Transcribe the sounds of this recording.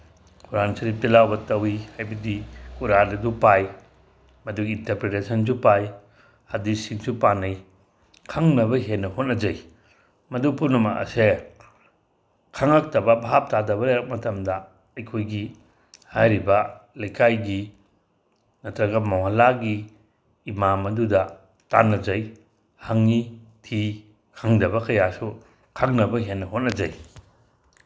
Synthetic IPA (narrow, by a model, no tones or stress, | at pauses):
kuɾanɐsɐɾipilawbɐtɐwihajbɐdikuɾadɐdupaj | mɐduɡintɐɾpɾetesɐnsupaj | ɐdisiŋsupanɐj | kʰɐŋnɐbɐɦenːɐhot̚nɐd͡ʒɐj | mɐdupʰunɐma̰ʔɐ̰se | kʰɐŋɐk̚tɐbɐbɦap̚tadɐbɐɾeɾɐk̚mɐtɐmdɐ | ɐjkʰojɡi | hajɾibɐlɐjkʰajɡi | nɐtɾɐɡɐmawhalaɡiː | mamɐdudɐ | ta̰nːɐd͡ʒɐj | haŋnitʰi | kʰaŋdɐbɐkɐjasu | kʰaŋnɐbɐɦenːɐɦot̚nɐd͡ʒɐ̰j